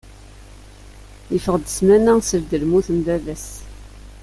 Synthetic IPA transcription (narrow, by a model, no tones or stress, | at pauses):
jəfəʁd̪əsmænæsəɾd̪əlmuθəmvævæs